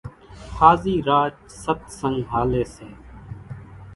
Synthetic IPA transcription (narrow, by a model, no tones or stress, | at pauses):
xʰaːziːɾaːt͡ʃ | sət̪sə̃ŋɡɦaːleːseː